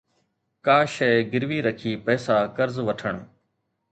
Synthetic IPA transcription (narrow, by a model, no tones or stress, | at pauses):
kaːʃeːɡɪɾʋiːɾəkʰiːpɛːsaːkəɾzʋəʈʰəɳ